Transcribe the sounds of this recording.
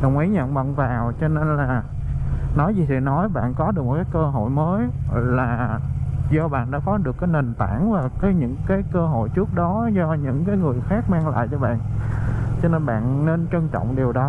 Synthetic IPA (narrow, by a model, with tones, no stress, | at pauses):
ɗə˨˩wŋ͡mʔi˨˦jɲə̰˧˨wŋ͡mvə̰˧˨nvaː˨˩wt͡ɕɔ˧ne˧nlaː˨˩ | nɔ˨˦jzi˨˩t̪ʰḭ˧˩nɔ˨˦jɓa̰ː˧˨nkɔ˨˦ɗɨ˨˩ək̚mo˨˩t̚kaː˨˦jkəː˧ɦo̰˧˨jməː˨˦jlaː˨˩ | zɔ˧ɓa̰ː˧˨nɗa̰ː˧˥kɔ˨˦ɗɨ˨˩əkːaː˨˦jne˨˩nt̪aː˧˩nvaː˨˩kɔː˨˦jɲɨ̰˧˥ŋkaː˨˦jkəː˧ɦo̰˧˨jt͡ɕɨ˦˥ək̚ɗɔ˨˦zɔ˧ɲɨ̰˧˥ŋkaː˨˦jŋɨ˨˩əjxaː˦˥k̚maː˧ŋla̰ː˧˨jt͡ɕɔ˧ɓa̰ː˧˨n | t͡ɕɔ˧ne˧nɓa̰ː˧˨nne˧nt͡ɕə˧ŋt͡ɕɔ̰˧˨wŋ͡mɗi˨˩əwɗɔ˨˦